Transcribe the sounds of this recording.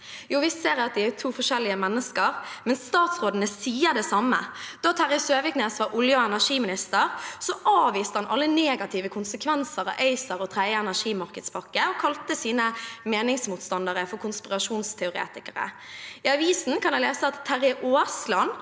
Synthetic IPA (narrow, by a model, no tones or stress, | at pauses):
juːʋɪseːɾɑt̪̚d̪ɪæt̪ʰuːfɔʂɛlɪəmɛnːəskəʁmɛnst̪ɑːt̪sʁoːd̪ənəsiːəd̪ɛsɑmə̰d̪̥ɔːt̪ʰæɾɪsøːʋɪkneːsʋɑʔʊljəɛnæʂiːmɪnɪst̪əʁsɔʔɑːʋiːst̪əhɑnʔɑlːəneːɡɑt̪ʰɪːʋəkʰʊnsəkʰʋɛnsəɾɑ̰ʔœɪsəɾɔt̪ʰɾæɪəɛnæʂiːmɑɾkəd̪spʰɑkːəɔkʰɑlt̪əsiːnəmeːnɪŋsmuːt̪st̪ɑnd̪əʁəfɔɾkʰʊnspɪʁɑʂuːnst̪ʰɛʊɾḛːt̪ɪkəɾə̰ | ɪɑʋiːsn̩kʰɑnjæɪleːsəɑt̪ʰːæɾɪʔoːslɑn